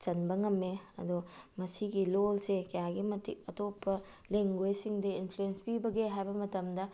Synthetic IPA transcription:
t͡ʃɐnbɐŋɐmːeɐ̰dumɐsiɡilolsekɐjaɡimɐtik̚ɐtopʰːɐ | leŋɡojsiŋdɐinpʰluenspibɐɡeɦajbɐmɐtɐmdɐ

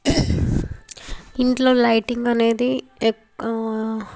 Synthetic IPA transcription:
iɳʈlo̞ːlɐjʈiŋɡɐne̞ːd̪i

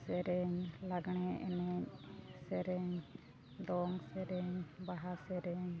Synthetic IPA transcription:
sɛɾɛɲlaɡɽ̃ɛʔɛnɛɲsɛɾɛɲ | ɖɔŋsɛɾɛɲbaɦasɛɾɛɲ

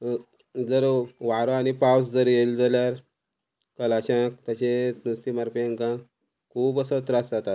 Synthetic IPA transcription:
d͡zəɾʋaɾoanipawsd͡zəɾjeld͡zaljaɾ | kəlaɕãk̚t̪əɕesnust̪imaɾpŋkã | kʰuːbəsət̪ɾasd͡zat̪at̪̚

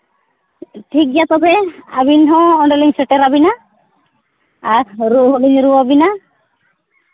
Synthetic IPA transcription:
ʈʰik̚jat̪ɔbɛabinɦɔ̃ɔɳɖɔliŋsɛʈɛɾabina | ɾɾuɦɗiɲɾuabina

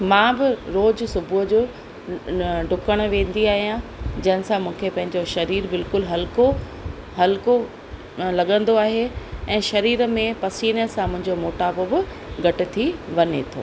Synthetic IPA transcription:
mãːbɪɾoːd͡ʑsʊbʱʊɦd͡ʑoː | ɖʱʊkəɽ̃̆ʋẽːn̆d̪iaːɦijãd͡ʑɐ̃ɦɪnɪsãmʊũːkʰepɐ̃ɦɪ̃ɲd͡ʑoʃɐɾiːɾbɪlkʊlɦɐlko | ɦɐlko | lɐɠə̃nd̪oaːɦeɛ̃ːʃɐɾiːɾəmẽpɐsiːnəsãmʊ̃ɦɪ̃ɲd͡ʑomoːʈaːbobɪ | ɡʱɐʈɪ̆t̪ʰiʋɐɲet̪ʰo̰ː

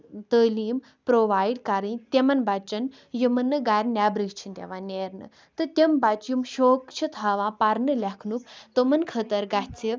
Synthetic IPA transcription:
t̪əːliːm | pɾoːʋaːjɖkaɾĩt̪ʲemɐnbat͡ʃɐn | jumɐnːɨɡaɾnʲaːbɾiɡt͡ʃʰint̪ʲḛʋãːnʲeːɾnɨ̰ | t̪ɨt̪ʲembat͡ʃjumʃoːkt͡ʃʰit̪ʰaːʋãːpaɾnɨlʲɐkʰnukt̪omɐnkʰət̪ɐɾɡat͡sʰi

